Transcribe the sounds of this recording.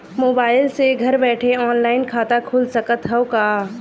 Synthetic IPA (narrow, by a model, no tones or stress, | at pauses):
moːbaːɪlseɡʱɐɾbɛːʈʰeɔːnlaːɪnkʰaːt̪akʰuːlsɐkət̪ɦɛokaː